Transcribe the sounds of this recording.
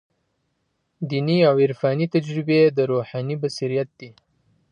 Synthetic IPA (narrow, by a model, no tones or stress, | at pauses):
d̪iniawɪɾfɑnit̪ad͡ʒɾɪbed̪əɾoħɑnibasiɾijat̪̚d̪̥i